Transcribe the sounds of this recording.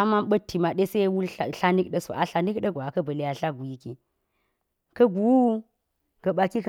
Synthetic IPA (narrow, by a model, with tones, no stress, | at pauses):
a˦ma˦nɓɐ˦tːi˨ma˨ɗe˦se˦wu˦lɬa˦ni˦kɗɐ˦so̰˨ʔa˦ɬa˨ni˦kɗɐ˦ɡʷa˨kɐ˦bɐ˨le˨ja˨ɬa˦ɡu˨ji˦ki˨ | kɐ˦ɡu˨wu˦ | ɡ̥ɐ˨ɓa˨ki˦k